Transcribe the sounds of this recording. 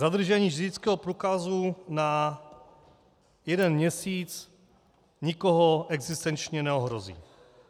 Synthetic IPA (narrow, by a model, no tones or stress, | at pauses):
zad̪r̩ʒɛɲiːʒɛdɪt͡skɛːɦopɾuːkazuna | jɛdɛnmɲɛsiːt͡s | ɲɪkoɦoʔɛɡzɪst̪ɛnt͡ʃɲɛnɛoɦɾozḭː